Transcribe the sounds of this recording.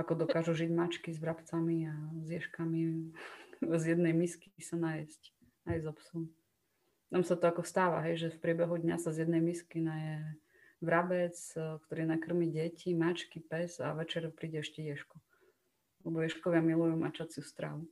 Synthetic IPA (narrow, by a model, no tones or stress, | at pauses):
akɔd̪ɔkaːʒuʒiɟmat͡ʃkizʋɾapt͡samiazjɛʃkami | zjɛd̪nɛjmiskisanajɛsc | najzɔpsɔm | t̪amsat̪ɔakɔst̪aːʋa̰ɦɛjʒɛfpɾɪɛbɛɦud̪ɲasazjɛd̪nɛjmiskinajɛ | ʋɾabɛt͡skt̪ɔɾiːnakr̩miːɟɛcimat͡ʃkipɛza̰ʋɛt͡ʃɛɾpɾiːɟɛɛʃcɛjɛʃku | alɛbɔjɛʃkɔʋɪamilujumat͡ʃat͡siust̪ɾa̰ʋu